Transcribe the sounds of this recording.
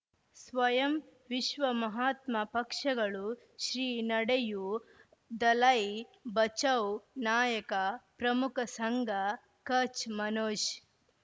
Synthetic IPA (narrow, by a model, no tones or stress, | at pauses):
sʋɐjɐm | ʋiʃʋɐmɐɦaːt̪mɐpɐkʂɐɡɐɭu | ʃɾiːnɐɽeju | d̪ɐlɐjbɐt͡ʃɐwnaːjɐkɐpɾɐmukɐsɐŋɡʱɐ | kɐt͡ʃmɐnoːʃ